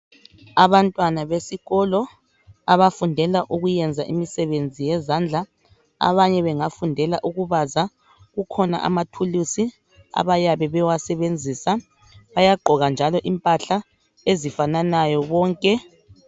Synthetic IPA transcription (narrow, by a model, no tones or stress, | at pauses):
aβantʼwanaβesiɣɔlɔ | aβafundʱɛlaʔuɣujɛnd͡zʱaʔimisɛβend͡zʱijɛzand͡ɮʱa | a̰βaɲɛβɛŋafundʱɛlaʔuɣuβaza | ɣukʰɔna̰ʔa̰matʰulusi | a̰βajaβɛβɛwasɛβend͡zʱisa | βajaɡ͡ǃʱɔɣand͡ʒʱalɔʔimpʼaɬa | ezifananajɔβɔːŋkʼɛ